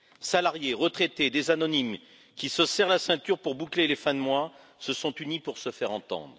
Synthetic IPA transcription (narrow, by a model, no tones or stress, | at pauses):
salaʁjeʁət̪χet̪ed̪ezanɔnim | kʲisəsɛʁlasɛ̃t̪yʁpuʁbuklelefɛ̃d̪əmwa | səsɔ̃t̪ynipuʁsəfɛʁɑ̃t̪ɑ̰̃d̪ʁ